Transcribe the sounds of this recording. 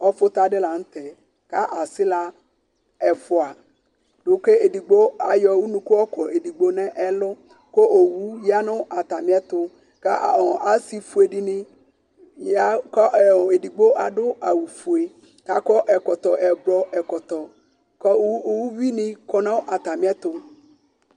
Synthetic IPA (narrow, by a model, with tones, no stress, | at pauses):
ɔ˦fʊ˦t̪a˨ɖɪ˦la˨ŋ̩˦t̪ɛ˨ | ka˦ʔa˨sɪ˦la˨ | ɛ˨fʊ˨a˨ | ɖʊ˦ke˦e˨di˨ɡ͡bo˦a˨jɔ˨wu˦nũ˦kʊ˦ɔ˦kʰɔ˨e˨di˨ɡ͡bo˦nɛ̃˦ʔɛ˦lʊ˦ | ko˦ʔo˨wu˦ja˦nʊ̃˦ʔa˨t̪a˨mĩ˦a˦t̪ʊ˦ | ka˦˨ɔ˨ʔa˨si˨fu˨e˨ɖi˨nĩ˦ | jja˦kɔ˦˨e˨di˨ɡ͡bo˦ʔa˨ɖʊ˦a˨wu˨fu˨e˨ | ka˨˦kɔ˦ʔɛ˨kɔ˨t̪ɔ˨ʔɛ˨blɔ˦ɛ˨kɔ˨t̪ɔ˨ | kɔ˦o˨wu˦vi˦nĩ˦kɔ˦nã˦wo˦ʔa˨t̪a˨mĩ˦a˦t̪ʊ˦